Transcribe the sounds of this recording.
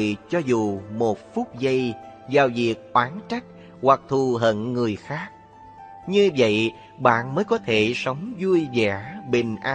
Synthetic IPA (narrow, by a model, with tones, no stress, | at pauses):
t͡ɕɔ˧zu˨˩mo˨˩t̚fu˦˥k͡p̚zə˧jzaː˨˩wvi˨˩ək̚ʔwaː˨˦nt͡ɕa˦˥jk̟̚ | hwa˨˩k̚t̪ʰu˨˩ɦə̰˧˨nŋɨ˨˩əjxaː˦˥k̚ | ɲɨ˧və̰˧˨j | ɓa̰ː˧˨nməː˨˦jkɔ˨˦t̪ʰe˧˩sə˨˦wŋ͡mzu˧əjzɛ˧˩˦ɓï˨˩ŋ̟ʔaː˧